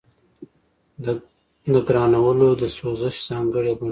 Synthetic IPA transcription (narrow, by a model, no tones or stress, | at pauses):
nəɡɾɑːnawəlod̪əsozəʃz̥ɑːŋɡəɽebʊn